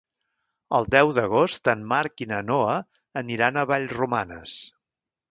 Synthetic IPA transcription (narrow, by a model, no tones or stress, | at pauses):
əlˠd̪ɛwðəɣ̞ost̪ənmaɾkinənoəː | niɾanəβaʎzrumanə̰s